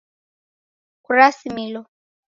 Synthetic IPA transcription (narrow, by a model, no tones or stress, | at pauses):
kuɾasimilo